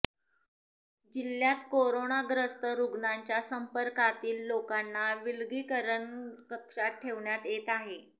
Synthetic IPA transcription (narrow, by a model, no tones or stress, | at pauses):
d͡ʑiljat̪koɾonaɡɾəst̪əɾuɡɳaɲt͡ɕjasəmpəɾkat̪iːlːokanːaʋilɡiːkəɾəɳkəkʂaʈʰeʋɳjat̪et̪aɦe